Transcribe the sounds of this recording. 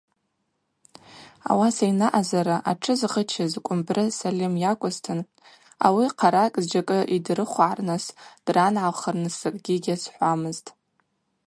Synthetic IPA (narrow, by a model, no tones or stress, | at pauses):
a̰wasajnaʔazaɾaʔaʈ͡ʂʰɨzʁət͡ʃʰazkʷʼʊmbrɨsalimjakʷʼʊztʰɨn | a̰wiqʰaɾakʼzd͡ʒakʼɨʔidrɨχʷʕarnasd̥ranʕaχərnɨsɨkʼɡʲiɡʲasħʷamɨztʼ